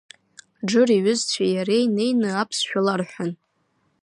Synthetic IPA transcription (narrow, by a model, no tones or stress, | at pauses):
ɖ͡ʐɨriɥʊzt͡ɕʷʰajaɾe̞jne̞jnɨapʰsʃᶣalarħᶣʷan